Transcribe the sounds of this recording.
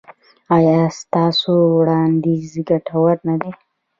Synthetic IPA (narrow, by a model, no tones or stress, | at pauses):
ɑjɑst̪ɑsowɽɑnd̪izɡaʈʰawaɾnad̪e